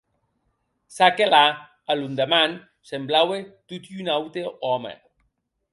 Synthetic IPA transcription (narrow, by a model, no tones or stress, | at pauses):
sakela | alund̪eman | semblawet̪ut̪iunawt̪eɔmḛ